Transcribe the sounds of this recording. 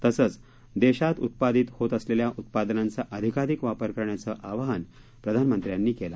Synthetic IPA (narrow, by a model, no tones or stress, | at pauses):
t̪əsət͡s | d̪eɕat̪ut̪̚pad̪it̪hot̪əsleljaʔut̪̚pad̪nãnt͡saʔəd̪ʱikaɾikʋapəɾkəɾɳjat͡səʔaʋaɦən | pɾəd̪ʱanmənt̪ɾjanːiːkela